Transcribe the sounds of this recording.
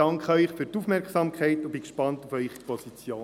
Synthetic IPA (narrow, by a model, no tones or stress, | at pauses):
ɑŋkχəœʏχfyɾtufmɛɾksɑmkχɛɪtʊbikʃpɑntufœʏχipɔsit͡sjoː